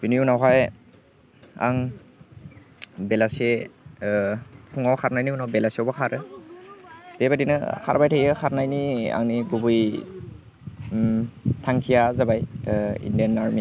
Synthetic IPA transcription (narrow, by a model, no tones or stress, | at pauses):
biniunaɦaj | a̰ŋ | bɛlasɛ | pʰuŋawkʰaɾnajniunawbɛlasiɔbɔkʰaɾɯ | b̥ɛbadinɯkʰa̰ɾbajtʰajɯkʰaɾnajnia̰ŋniɡubuj | tʰaŋkʰijazabajḭndianːaɹmi